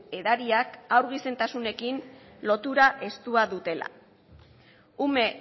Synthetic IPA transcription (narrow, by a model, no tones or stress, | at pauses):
eðaɾiakawɾɣ̞ise̞nt̪asune̞kin | lo̞t̪uɾaʔe̞st̪uaðut̪e̞la̰ | ume̞